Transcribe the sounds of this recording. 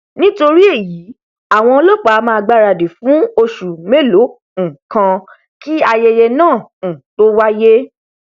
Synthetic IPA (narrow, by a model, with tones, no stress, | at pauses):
nĩ˦to˧ɾi˦e˦˨jiː˨˦ | a˨w̃ɔ̃˧o˧lo˦˨k͡pa˨˦˨mãː˧ɡ͡ba˦ɾa˧˨de˨fũ˨˦o˧ʃu˨me˦˨lõ˨˦˨ | kã˧ | ki˦a˧jɛ˧jɛ˧nãː˦˨ñ̩˨to˦wa˦je˦